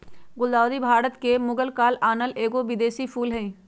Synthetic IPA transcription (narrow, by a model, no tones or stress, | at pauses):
ɡʊld̪aːd̪ibʱaːɾət̪kemʊɡəlkaːlaːnəleːɡoʋɪd̪eːsifʰuːlɦɛ̃ĩː